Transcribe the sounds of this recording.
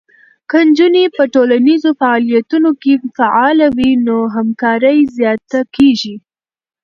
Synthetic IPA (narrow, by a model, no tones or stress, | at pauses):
kənd͡ʒunepəʈolanizofaɑlijat̪unokefaʔɑlawinoɦamkɑɾəjzjɑt̪akeʒi